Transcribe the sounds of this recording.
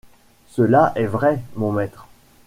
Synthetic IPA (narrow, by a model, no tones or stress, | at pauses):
səlaʔɛvʁɛmɔ̃mɛt̪χ